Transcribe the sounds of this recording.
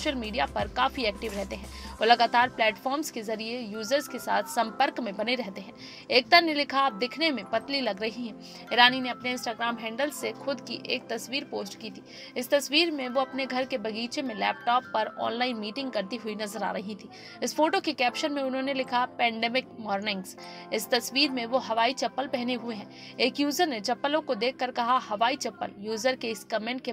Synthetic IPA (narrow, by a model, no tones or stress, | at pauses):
ʃəlmiːɖijapɐɾkaːfiɛːk̚ʈɪʋɾɛɦt̪eɦɛ̃olɐɡaːt̪aːɾplɛːʈfɔːɾmzkezɐɾiejuːzəɾzkesa̰ːt̪ʰsɐ̃mpəɾkmẽbɐneɾɛɦt̪eɦɛ̃ː | eːk̚t̪anelɪkʰaaːp̚d̪ɪkʰnemẽpɐt̪lilɐɡɾɐɦiɦɛ̃ː | ɪɾaːnineɐpneɪ̃nsʈaːɡɾaːmɦɛ̃ːɳɖəlsːexʊd̪kiʔeːk̚t̪ɐsʋiːɾpoːsʈkiːt̪ʰiː | ɪst̪ɐsʋiːɾmẽʋoɐpneɡʱɐɾkebɐɡiːt͡ʃemẽlɛ̰ːpʈɔːpːɐɾɔ̰ːnlaːɪnmiːʈɪ̃ŋɡ̚kɐɾt̪iɦʊinɐzəɾa̰ːɾɐɦĩt̪ʰiː | ɪsfoːʈokekɛːpʃənmẽʊnɦõnelɪkʰapɛ̃ːɳɖɛːmɪkmɔːɾnɪ̃ŋɡz | ɪst̪ɐsʋiːɾmẽʋoɦɐʋaːit͡ʃɐpːəlpɛɦneɦʊeɦɛ̃ː | eːkjuːzəɾnet͡ʃɐpːəlõkod̪eːkʰːɐɾkɐɦahɐʋaːit͡ʃɐpːə̰ljuːzəɾkeɪskɐmɛ̃ːɳʈ̚ke